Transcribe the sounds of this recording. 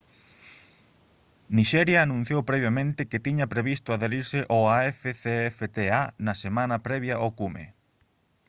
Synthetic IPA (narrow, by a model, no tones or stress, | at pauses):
niʃɛɾjɐːnũn̟θjowpɾɛβjamẽnt̪ɪkɪt̪iɲɐpɾeβist̪ʊaðeɾiɾsɪʔoaɛfeθeɛfet̪eanɐsemãnɐpɾɛβjɐʔokumḛ